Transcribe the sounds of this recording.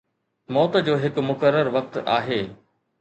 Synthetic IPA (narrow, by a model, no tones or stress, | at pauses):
mɔːt̪d͡ʑoːɦɪkmʊkəɾəɾʋɐk̚t̪a̰ːɦeː